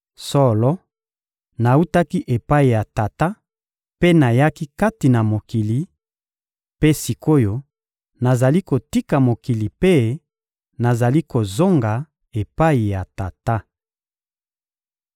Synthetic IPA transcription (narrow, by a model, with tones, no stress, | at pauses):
sɔ˦lɔ˦ | na˨u˦ta˦ki˦ʔe˨pa˦i˨ja˨ta˨ta˦ | pe˦na˨ja˦ki˦ka˦ti˨na˨mo˨ki˨li˨ | pe˦si˨ko˦jo˦ | na˨za˨li˦ko˨ti˦ka˨mo˨ki˨li˨pe˦ | na˨za˨li˦ko˨zo˦ŋɡa˨ | e˨pa˦i˨ja˨ta˨ta˦